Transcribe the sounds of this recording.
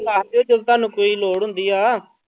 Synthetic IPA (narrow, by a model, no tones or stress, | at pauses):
laːɦd̪joːd͡ʒəd̪t̪aːnũːkoːiːloːɽɦʊ̃nd̪iːaː